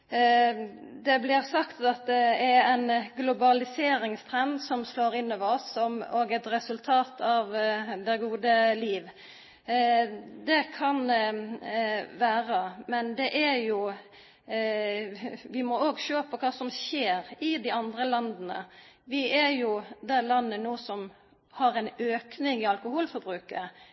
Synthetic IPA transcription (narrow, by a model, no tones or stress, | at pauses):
d̪ɛblɪɾsɑkt̪ɑt̪̚d̪ɛɛɾɛɪnɡlʊbɑlɪseːɾɪŋst̪ʰɾɛnd̪sɔmsloːɾɪnːɔʋɔsɔmoːɡɛt̪ɾɛsʉlt̪ʰɑːt̪ʰɑʋd̪ɛɡuːd̪əliːʋ | d̪ɛkʰɑn | ʋæːɾəmɛnd̪ɛʔæɾjʊ | ʋɪmɔoːɡʃøːpʰɔkʰɑːsɔmʃeːɾɪd̪ɪɑnd̪ɾəlɑnd̪nə̰ʋɪæɾjʊd̪ɛlɑnːənuːsɔm | hɑɾɛnøːknɪŋɪɑlkʊhuːlfɔɾbɾʉːkə